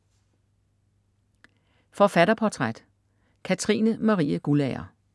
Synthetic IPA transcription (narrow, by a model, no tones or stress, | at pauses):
fɒ̽fæɾ̥ɐpʰɒt͡sʰʁad̥ | kʰæt͡sʰʁḭːnəmɑ̈ʁḭːəɡ̥ulɛɐ̰